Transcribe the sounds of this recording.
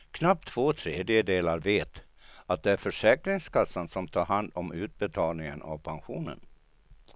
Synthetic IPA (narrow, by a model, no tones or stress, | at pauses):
kʰnap̚t̪ʰːv̥oːt̪ʰɾeːd̪jəd̪eːlaɾveːt̪ | at̪̚d̪ɛæɾfœʂɛːkɾɪŋskʰasːansɔmt̪ʰɑːɾhand̪ɔmʉ̟ːt̪̚bɛt̪ʰɑːlnɪŋə̰nʔa̰vpʰanɧuːnə̰n